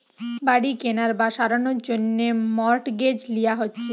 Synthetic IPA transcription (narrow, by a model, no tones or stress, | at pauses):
baɽikenaɾbaʃaɾanoɾd͡ʑonːemɔɾʈɡed͡ʑlijaɦotːɕʰe